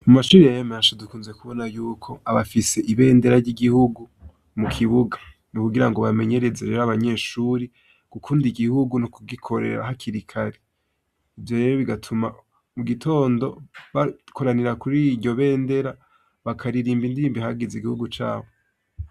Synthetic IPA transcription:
umaʃuːɾiajemanʃodukuːnze̞kuβo̞najuːkʰo̞aβafise̞ʔiβe̞ːnde̞ɾaɾɟiɡihuɡu | mukʰiβuɡa | nikuɡiɾaŋɡo̞βame̞ɲe̞ɾe̞zeɾeɾaβaɲe̞ːʃuːɾe | kukʰuːndiɡihuɡunukuɡikʰo̞ɾḛɾa̰ɦakʰiɾikʰaɾe | ivjo̞ɾe̞ɾoβiɡatʰuma | muɡitʰo̞ːndo̞βakʰo̞ɾaniɾakuɾiɟo̞βe̞ːnde̞ɾa | βakʰaɾiɾiːmbindiɾiːmbihaɡiziɡihuɡut͡ʃa̰ːβo

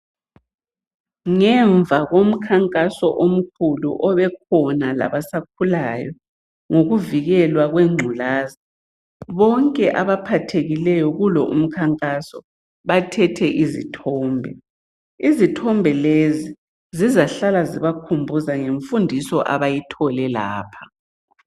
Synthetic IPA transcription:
ŋɛɱvʱaɣom̩kʰaŋkʼasɔʔom̩kʰulṵʔɔβɛk̚ʰɔnala̰βasak̚ʰulajɔ | ŋoɣuviɣɛlwaɣweŋ͡ǀʱulaːza | βɔŋkʼɛʔaβapʰatʰeɣilɛjɔɣulɔṵm̩kʰaŋkʼasɔ | βatʰɛtʰɛʔizḭtʰɔːmbʱɛ̰ | izitʰɔmbʱɛlezi | zizaɬalaziβakʰumbʱuzaŋeɱfundʱisɔʔa̰βajitʰɔlɛla̰ːpʰḁ

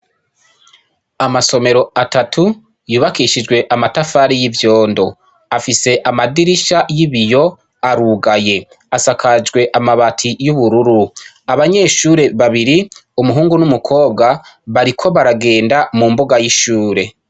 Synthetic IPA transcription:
amaso̞me̞ɾo̞atatʰu | juːβakiːʃid͡ʒɡwe̞ʔamatafaːɾijivjo̞ːndo̞ | afise̞ʔamadiɾiʃajiβijo̞ | aɾuɡaje̞ | asakʰad͡ʒɡwe̞ʔamaβatʰijuβuɾuɾu | aβaɲe̞ːʃuːɾe̞βaβiɾiumuɦuːŋɡunumukʰo̞ːb̚ɡaβaɾikʰo̞βaɾaɡe̞ːndamumboɡajiʃuːɾe̞

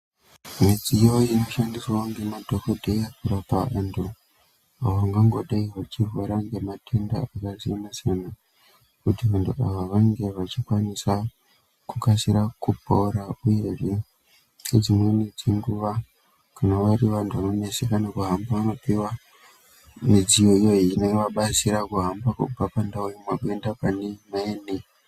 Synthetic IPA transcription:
mid͡zijo̞ino̞ʃandisaoŋɡe̞madʱokodʱeapuɾapaʔando | aoʋaŋɡaŋɡo̞ɗaiʋat͡ʃivoɾaŋɡe̞matʰenda̰akaziinasana | kutiʋantuʔaʋaʋaŋɡe̞ʋat͡ʃikwanisa | kukasiɾakupouɾauje̞ʐe | d͡zimwened͡ziŋɡuʋa | kanaʋaɾiʋantʰuʋano̞ne̞sekanakuɦambaʋano̞piwa | mid͡zijo̞ijo̞iːneʋaɓasiɾakuɦambakṵbapandaujemwakendapanemaeːne

